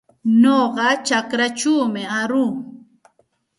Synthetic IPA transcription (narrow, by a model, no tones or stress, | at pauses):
noɢɑt͡ʃakɾat͡ʃuːmɪaɾuː